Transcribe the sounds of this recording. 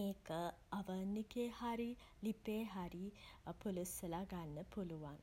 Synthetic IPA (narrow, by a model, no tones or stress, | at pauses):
eːkə | aʋənːikehaɾi | lipeːɦaɾipulusəlaɡanːəpuluʋan